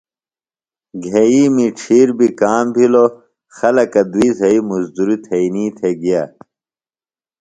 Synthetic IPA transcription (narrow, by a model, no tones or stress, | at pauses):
ɡʱeiːmiʈ͡ʂʰiːɾbikaːmbʱilo | xɐlɐkɐd̪wiːzɐimuzd̪uɾit̪ʰɐiniːt̪ʰeɡija